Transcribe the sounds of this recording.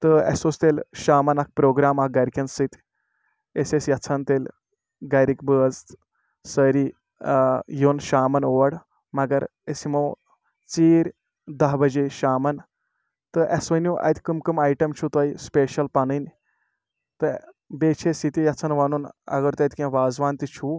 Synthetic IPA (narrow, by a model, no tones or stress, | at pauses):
t̪əḛsost̪elɕaːmɐnɐk̚pɾoːɡɾamaɡajɾikʲɐnsit̪ʲ | esesjɐt͡sʰant̪el | ɡajɾikbəːd͡z | səɾi | jonʃaːmɐnoʋɐɽ | mɐɡɐɾesimow | t͡siːɾʲ | d̪ɐɦbɐd͡ʒeʃaːmɐn | t̪ɨʔesʋɐnuʔɐ̰jt̪ʲkəmkɨmajʈɐmt͡ʃʰut̪ajspeʃɐlpanɨn | t̪ɨ | beːt͡ʃʰesit̪ijɐt͡sʰɐnʋanuːnɐ̰ɡɐɾt̪ɐjt̪ʲkʲẽʋaːzʋaːnt̪it͡ʃʰuː